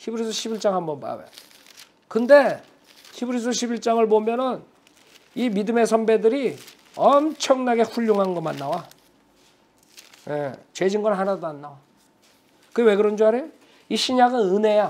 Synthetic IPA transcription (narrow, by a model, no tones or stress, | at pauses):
çibɯɾisʰʌɕʰibiɭt͡ɕ͈aŋɦambʌnpa̰wḛjo | kɯnde̞ | çibɯɾis̬ʰʌɕʰibiɭt͡ɕ͈aŋɯɭpomjʌnɯn | imidɯme̞sʰʌmbe̞dɯɾi | ʌmt͡ɕʰʌŋnaɡe̞ɸuʎːoŋɦanɡʌmanːawa | jet͡ɕe̞d͡ʑinɡʌɭɦanadoanːawa | kɯɡewe̞ɡɯɾʌnd͡ʑoɦaɾejo | iɕʰiɲaɡɯnɯne̞ja